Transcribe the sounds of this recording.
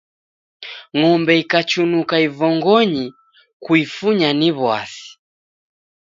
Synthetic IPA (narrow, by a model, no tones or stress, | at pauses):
ŋɔmbɛikat͡ʃunukaivɔŋɡɔɲi | kuifuɲaniβwa̰si̥